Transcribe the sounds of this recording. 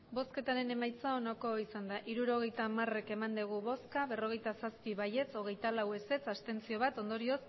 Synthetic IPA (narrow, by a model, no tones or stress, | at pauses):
bo̞ske̞t̪aɾe̞ne̞majt͡sao̞nako̞isand̪aʔiɾuɾo̞ɣ̞e̞jt̪amare̞ke̞mand̪eɣ̞uβo̞skaβe̞ro̞ɣ̞e̞jt̪asaspiβaje̞t͡so̞ɣ̞e̞jt̪alawe̞se̞t͡sast̪e̞nt͡sio̞βat̪o̞nd̪o̞ɾio̞s